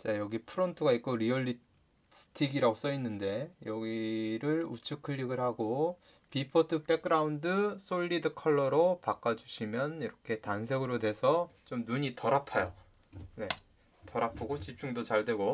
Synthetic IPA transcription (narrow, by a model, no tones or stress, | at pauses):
t͡ɕ͈ajʌɡipʰɯɾontʰɯɡaik͈oɾiʌɭːi | sɯ̥tʰiɡiɾaos͈ʌinːɯnde̞jʌɡiɾɯɭut͡ɕʰɯkʰɯʎːiɡɯɭhaɡo | pipʰʌtʰɯp͈e̞k̚k͈ɯɾaundɯs͈oɭʎːidɯkʰʌɭːʌɾopak͈ad͡ʑuɕʰimjʌniɾʌkʰe̞taŋs̬ʰe̞ɡɯɾodwe̞sʰʌt͡ɕomnuɲitʌɾapʰajo | ne̞ | tʌɾapʰoɡot͡ɕip̚t͡ɕ͈uŋdot͡ɕaɭdwe̞ɡo